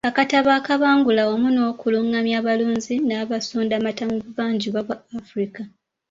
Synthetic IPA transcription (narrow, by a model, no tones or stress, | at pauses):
βakataβaːkaβaːŋɡulaomuno̞ːkuluŋːamjaːβaluːɲzinaːβasoːndamatamuβuβaːɲɟiβwaβwaafuɾika